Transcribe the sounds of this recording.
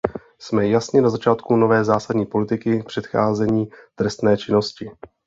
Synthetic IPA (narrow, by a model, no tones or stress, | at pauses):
smɛjasɲɛnazat͡ʃaːt̪kuno̞vɛːzaːsadɲiːpo̞lɪt̪ɪkɪpr̥ɛt̪xaːzɛɲiːt̪ɾɛst̪nɛːt͡ʃɪno̞scɪ